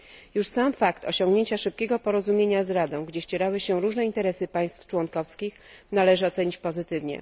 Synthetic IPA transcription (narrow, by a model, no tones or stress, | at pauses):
juʂsamfakt̪ɔ̰ɕɔ̃ŋɡɲeɲt͡ɕaʂɘp̚kʲɛɡɔpɔɾɔzumʲjeɲazɾad̪ɔ̃w̃ɡd͡ʑɛɕt͡ɕeɾawɘɕɛɾuʐnɛint̪ɛɾɛsɘpaj̃st̪ft͡ʂwɔŋkɔfskʲix | nalɛʐɘɔt̪sɛɲit͡ɕpɔzɘt̪ɘvɲɛ̰